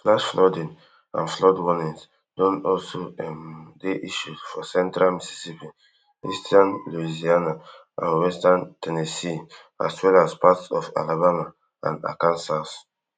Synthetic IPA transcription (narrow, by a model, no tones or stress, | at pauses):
flaʃflɔdĩn | ã̰nflɔdwɔnĩns | d̥ɔ̃nɔlsoɛmdeʔiʃudfɔsɛ̃ntɹalmisi̥sipĩn | istʰanluiziana | ã̰nwɛstãntʰɛnesi | a̰swɛlaspatsɔfa̰labama | ã̰na̰kãnsas